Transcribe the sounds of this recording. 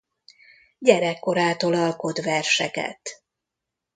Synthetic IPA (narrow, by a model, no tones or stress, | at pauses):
ɟɛɾɛkːo̞ɾaːt̪o̞lɒlko̞d̪ʋɛrʃɛ̰kɛ̰t̪